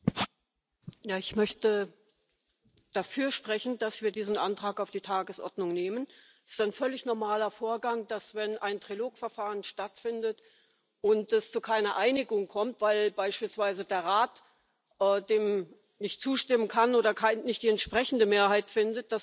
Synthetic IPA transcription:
jaːɪçmœçtə | d̥afyːɐʃpʁ̥ɛçn̩d̥asv̥iːɐdiːzn̩ʔantʁ̥aːkaʊfd̥iːtʰaːɡəsʔɔ̰ɐdnʊŋneːmən | ɪ̥staɪnfœlɪçnɔɐmaːlɐfoːɐɡaŋd̥asv̥ɛnaɪntʁ̥iloːkfɛɐfaːʁənʃtatfɪndət | ʔʊntɛst͡sukʰaɪnɐʔaɪnɪɡʊŋkʰɔmtv̥aɪlbaɪʃpiːlsv̥aɪzədeːɐʁaːt | ʔɛːdeːm | nɪçtt͡suːʃtɪmənkʰanoːdɐkʰaɪnɪçt̚d̥iːɛntʃpʁ̥ɛçn̩dəmeːɐhaɪtfɪndət̚d̥as

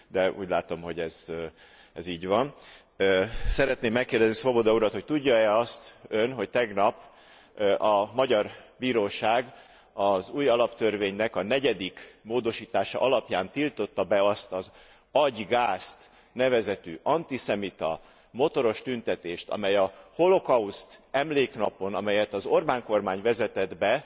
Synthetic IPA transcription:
d̪ɛṵːɟlaːt̪o̞mɦo̞ɟɛz | ɛziːɟʋɒn | øsɛɾɛt̪neːmːɛkːeːrd̪ɛznisobod̪ɒuɾɒt̪ho̞c̚t̪uɟːɒɛɒst̪ønɦo̞ct̪ɛɡnɒp | ʔɒmɒɟɒrbiːɾoːʃaːɡ | ɒzuːjɒlɒpt̪ørveːɲnɛkɒnɛɟɛd̪ikmoːd̪o̞ʃiːt̪aːʃɒ̰ʔɒlɒpjaːnt̪ilt̪o̞t̪ːɒbɛɒst̪ɒz | ɒɟɡaːst̪ | nɛvɛzɛt̪y̰ːʔɒnt̪isɛmit̪ɒ̰ | mo̞t̪o̞ɾo̞ʃt̪ynt̪ɛt̪eːʃt̪ɒ̰mɛjɒho̞lo̞kɒust̪ɛmleːknɒpo̞nɒ̰mɛjɛt̪ɒzo̞rbaːŋko̞rmaːɲvɛzɛt̪ɛd̪bɛ

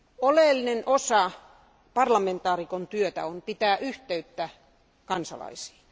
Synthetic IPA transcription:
oleˑlːinenʔosɑ | pɑrlɑment̪ˑɑːrikont̪yøt̪æ̰onpit̪æːʔyht̪eyt̪ːæ | kɑnsɑ̰lɑ̰isi̥ː

